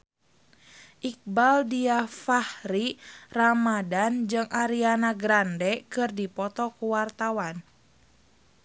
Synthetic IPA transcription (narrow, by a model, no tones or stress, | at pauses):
ʔik̚baldiafahɾiramadand͡ʒɨŋʔaɾianaɡɾandɛkɨrdipɔt̪ɔkuwart̪awan